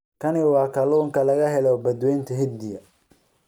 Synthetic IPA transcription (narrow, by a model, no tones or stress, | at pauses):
kʰɐniwɑːkʰɐluːŋkʰɐlɐɣɐɦɛlɔbɐd̪wɛjnt̪ʰɐɦɪd̪d̪ɪjɐ